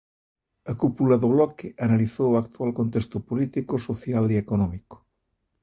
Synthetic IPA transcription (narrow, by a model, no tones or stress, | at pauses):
ɐkupulɐðʊβlɔkɪʔɐnaliθowakt̪ualkõnt̪est̪ʊpolit̪ikosoθjaliekonɔmiko̥